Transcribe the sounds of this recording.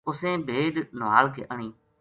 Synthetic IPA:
ʊsẽːbʱeːɗnʊʋaːlkʰḛːʔəɳiː

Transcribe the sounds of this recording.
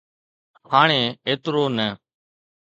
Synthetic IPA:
haːɳ̃ẽːeːt̪ɾoːnəː

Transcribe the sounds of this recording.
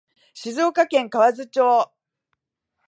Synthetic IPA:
ɕizo̞ːkakẽ̞ŋkaβazɨt͡ɕoː

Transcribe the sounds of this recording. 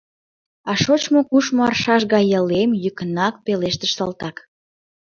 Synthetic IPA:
ɑʃot͡ɕmokuʃmoɑ̰rʃɑʃɣɑjəlemjykənɑk̚peleʃt̪əʃsɑlt̪ɑk

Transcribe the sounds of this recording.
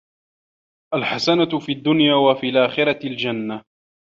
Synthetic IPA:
ʔalħasanafiːad̪ːʊnjaːwafiːlʔaːxɪɾˤɑld͡ʒanːa

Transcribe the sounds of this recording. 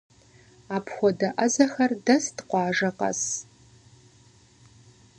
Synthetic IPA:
aːpʰxʷɔdɐʔɐzɐxɐrdɐstqʷɑːʒɐqɐ̰s

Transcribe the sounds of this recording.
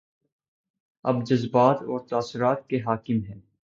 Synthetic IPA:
ɐ̰bd͡ʒɐzbaːt̪ɔːɾt̪aːsɪɾaːt̪̚keɦaːkɪmɦɛ̃ː

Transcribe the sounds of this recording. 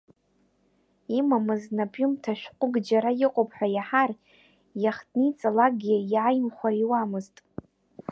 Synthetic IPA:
imamɨznapʼjumtʰaʃᶣqʷʼʊɡd͡ʒaɾajɪqʷʼopʰʼħʷᶣajaħar | jaχdnit͡sʼalaɡʲijajmχʷaiwamɨztʼ

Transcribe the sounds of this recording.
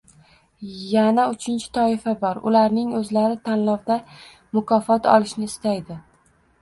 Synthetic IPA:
janaʊt͡ʃʰɪnt͡ʃʰɪ̥t̪ʰɒɪfabɒɾʊ̰laɾnɪŋɵzlaɾɪt̪ʰanlɒwd̪a | mʊkʰɒfɒt̪ʰɒ̰lˠɪʃnɪːst̪ajd̪ɪ

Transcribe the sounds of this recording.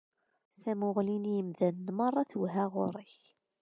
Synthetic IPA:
θæmʊʁlinjəmðænːmɑrˤːɑθwɦæʁʊ̰ɾˤɪç

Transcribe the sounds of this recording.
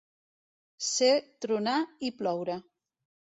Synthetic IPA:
set̪ɾunaiplɔwɾa

